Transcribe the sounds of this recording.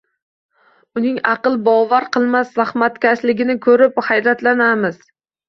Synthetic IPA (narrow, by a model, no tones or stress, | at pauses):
ʊnɪŋɑqɨlˠbɒvaɾqʰɨlˠmasːahmat̪kʲaʃlɪɡʲɪnɪkʰɵɾɪphajɾat̪lanamɪz̥